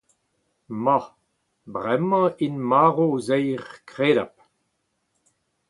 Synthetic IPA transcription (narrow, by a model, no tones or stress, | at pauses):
ma | bʁɛmɑ̃inmaːʁozɛjʁkʁeːɾap̚